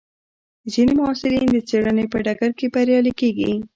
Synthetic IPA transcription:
zinemʊɑsɪɾind̪ət͡seɽanepəɖaɡaɾkebaɾjɑlikeɡi

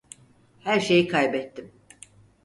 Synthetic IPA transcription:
hæɾʃe̞jikʰajbɛt̪ːim

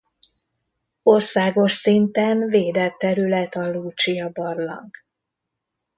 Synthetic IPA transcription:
o̞rsaːɡo̞ʃsint̪ɛnveːd̪ɛt̪ːɛɾylɛt̪ɒluːt͡ʃijɒbɒrlɒ̰ŋk

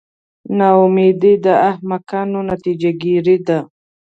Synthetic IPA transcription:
naʊmed̪id̪əahmakanonat̪id͡ʒaɡiɾid̪a

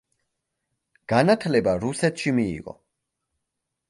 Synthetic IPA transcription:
ɡ̥anat̪ʰlɛbaɾusɛt̪ʃimḭːʁɔ̰

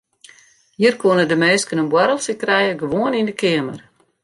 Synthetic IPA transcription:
hiːərkoənədəmeːskənənbwɛɾəlˠsəkrɛjəɡəʋoənindəkɪəmə̰r

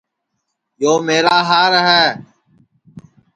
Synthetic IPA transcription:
joːmeːɾaːɦaːɾəɦɛː

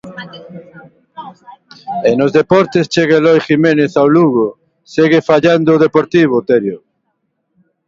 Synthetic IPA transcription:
enozðepɔɾt̪est͡ʃeɣelɔjximeneθawluɣo | seɣefaʎand̪oːðepoɾt̪iβ̞ot̪eɾjo

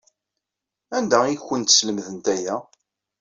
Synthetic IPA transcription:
ænd̪æiçːənt̪sləmðənt̪æjæ

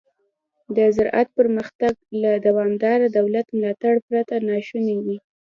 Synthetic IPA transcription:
d̪əzʊɾʔa̰t̪̚pəɾməxt̪aɡlad̪awɑmd̪ɑɾad̪awlat̪mlɑt̪aɽpɾat̪anɑʃunawi

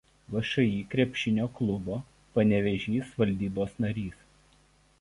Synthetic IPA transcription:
ʋɐʃɐiːkɾʲɛpʲʃʲɪnʲoːklˠʊboː | pɐnʲɛʋʲɛʒʲiːsʋɐlʲd̪ʲiːboːsnɐɾʲiːs

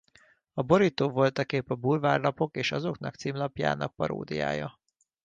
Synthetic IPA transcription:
ɒbo̞ɾit̪oːvo̞lt̪ɒkeːpɒbuːlvaːrlɒpo̞keːʃɒzo̞knɒkt̪siːmlɒpja̰ːnɒk̚pɒɾo̰ːd̪ḭja̰ːjɒ

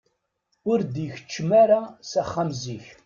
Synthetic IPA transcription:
ʊɾd̪ijçə̥t͡ʃːmaɾasæχːamziç

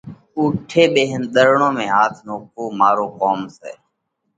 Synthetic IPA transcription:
uːʈʰeːɓeːɦənɗ̪əɾɳõːmẽːɦaːt̪ʰnoːkoːmaːɾoːkoːmsḛː

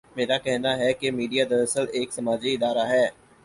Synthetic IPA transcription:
meːɾakɛɦnaɦɛkemiːɖijad̪ɐɾəsəleːksɐmaːd͡ʒiɪd̪aːɾaɦɛː

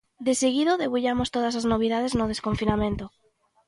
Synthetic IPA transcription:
d̪eseɣ̞iðoðeβuʎamost̪oð̞as̬aznoβ̞iðað̞eznoðe̞skõɱfinamẽnt̪o

